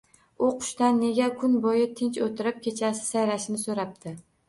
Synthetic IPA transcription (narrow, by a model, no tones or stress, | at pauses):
ʊqʰʊ̥ʃt̪anːe̞ɡʲakʰʊnbɒjɪt̪ʰɪnt͡ʃot̪ʰɪɾɪp̚kʲʰe̞t͡ʃʰasɪ̥sajɾaʃɪnɪsoɾap̚t̪ʰɪ